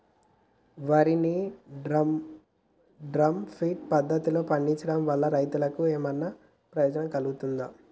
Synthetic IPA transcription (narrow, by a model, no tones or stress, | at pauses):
ʋɐɾini | ɖɾɐmpʰiːʈ̚pɐd̪ʱːɐt̪ilo̞ːpɐɳɖiɲt͡ʃɐɽɐmʋɐɭːɐɾɐjt̪ulɐkueːmɐnːɐ | pɾɐjoːd͡ʒɐnɐmkɐluɡut̪und̪aː